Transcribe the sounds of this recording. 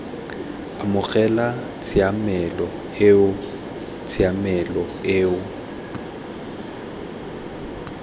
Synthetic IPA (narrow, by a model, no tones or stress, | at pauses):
amʊɣɛla | t͡sʼɪamɛlɔ | eʊ | t͡sʼɪamɛlɔ | eːʊ